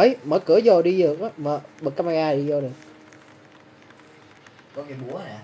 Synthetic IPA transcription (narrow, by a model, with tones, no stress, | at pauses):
əː˨˦jməː˧˦jkɨ˨˧˦əzɔ˨˩ɗi˧zɨ˨˩ək̚ʔaː˨˦məː˨˩ɓə˨˩k̚ːaː˧ma˧ŋʔaː˧˨ɗi˧zɔ˧˩ɗɨ˨˩ək̚ | kɔ˨˦ki˨˦mu˧˦˨a˨